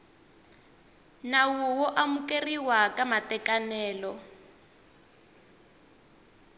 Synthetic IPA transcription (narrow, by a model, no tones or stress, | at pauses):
nawuwɔʔamukʼeriwakʼamatɛkʼanɛːlɔ